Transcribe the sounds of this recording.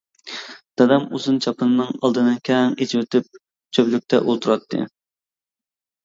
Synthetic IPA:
d̪̥ɑd̪ɛmuzunt͡ʃʰɑpʰɨnɨnɨŋɑlˠd̪ɨnɨkʲʰɛŋet͡ʃʰiwet̪ɪp̚ | t͡ʃʰøplyk̚ʲt̪ʰɛ̰ʔolˠt̪ʰuɾɑt̪ʰːɨ̰

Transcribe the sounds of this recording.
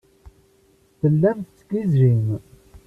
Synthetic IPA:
θəlːæmθt͡sːɡizɾim

